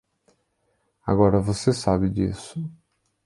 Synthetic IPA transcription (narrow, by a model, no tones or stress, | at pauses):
a̰ɣɔɾavosesaβid͡ʒḭːsu̥